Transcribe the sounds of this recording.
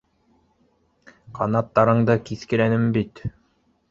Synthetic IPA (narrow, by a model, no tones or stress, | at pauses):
qʰɑnɑt̪ːɑɾɤɴd̪ɤkiθkɘ̆ɾænɘmbit̪